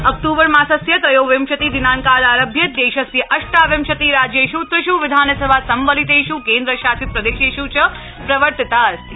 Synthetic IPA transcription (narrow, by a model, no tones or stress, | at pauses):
ɔk̚ʈuːbəɾmãːsɐsjɐt̪ɐjoːʋemʃɐt̪id̪inaːnkaːlaːɾəbʱjɐd̪eːʃɐsjɐʔɐʃʈaːʋemʃɐt̪iɾaːd͡ʒjeʃut̪ɾɨʃuʋɪd̪ʱaːnsɐbʱasɐmʋəlit̪eʃukeːnd̪ɾəʃaːsit̪̚pɾɐd̪eːʃeʃut͡ʃʰə | pɾɐʋəɾt̪t̪aːɾ